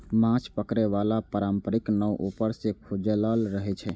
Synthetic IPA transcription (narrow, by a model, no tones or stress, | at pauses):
mãt͡ʃpəkɾeʋalapəɾampəɾiknəwʔupəɾsẽkʰod͡ʒələlɾəɦɛt͡ʃʰɛ